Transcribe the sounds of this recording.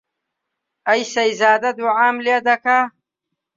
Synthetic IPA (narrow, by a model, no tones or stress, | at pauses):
ɐjsɐjzaːd̪ɐd̪uʕaːmled̪ɐka